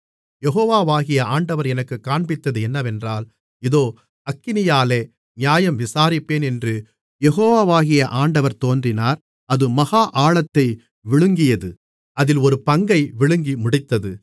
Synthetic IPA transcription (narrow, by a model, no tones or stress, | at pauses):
jɛɣoːʋaːʋaːɣɪjɐaːɳɖɐʋɐɾɛnɐkːɯkːaːɳbɪt̪ːɐðɯɛnːɐʋɛndraːl | ɪðoː | ɐkːɪnɪjaːleː | ɲaːjɐmʋɪsaːɾɪpːeːnɛndrɯ | jɛɣoːʋaːʋaːɣɪjɐʔaːɳɖɐʋɐɾt̪oːndrɪnaːɾ | ɐðɯmɐɣaːʔaːɭɐt̪ːɐɪ | ʋɪɭɯŋɡɪjɐðɯ | ɐðɪlɔɾɯpɐŋɡɐɪʋɪɭɯŋɡimʊɽɪt̪ːɐðɯ